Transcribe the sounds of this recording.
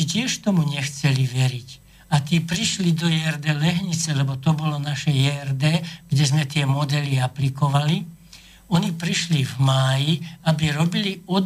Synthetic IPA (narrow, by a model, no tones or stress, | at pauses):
icɪɛʃt̪ɔmuɲɛxt͡sɛliʋɛɾic | at̪iːpɾiʃlid̪ɔjɛɛɾd̪ɛːlɛɦɲit͡sɛlɛbɔt̪ɔbɔlɔnaʃɛjɛrd̪ɛːɡ̥ɟɛzmɛt̪ɪɛmɔd̪ɛliaplikɔʋali | ɔnipɾiʃlivmaːjiabiɾɔbiliɔd̪